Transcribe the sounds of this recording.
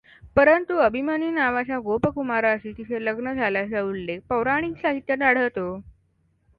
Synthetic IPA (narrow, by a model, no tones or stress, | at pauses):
pəɾənt̪uəbʱimaniːnaʋat͡ɕjaɡopəkumaɾaəsiːt̪isʰeləɡnəd͡zʱalasaulːek̚pəwɾaɽ̃iːksaɦit̪jənaɽ̤əʋt̪o